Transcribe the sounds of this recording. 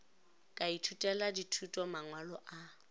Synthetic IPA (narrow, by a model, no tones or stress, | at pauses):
kʼaitʰutʼɛladitʰutʼɔmaŋwalɔʔa